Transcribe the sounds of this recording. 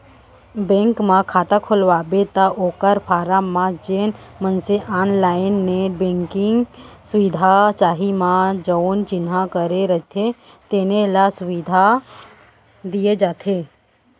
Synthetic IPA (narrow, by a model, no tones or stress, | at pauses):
bẽŋkmãkʰaːt̪akʰolʋabet̪aʔoːkəɾpʰaːɾamãd͡ʒeːnmənseʔaːnlaːɪnːebẽŋkɪŋɡsʊʋɪd̪ʱat͡ʃaːɦimãd͡ʒəwnt͡ʃɪnɦãkəɾeɾəɦt̪ʰe | t̪eːnelasʊʋid̪ʱa | d̪ijed͡ʒaːt̪ʰe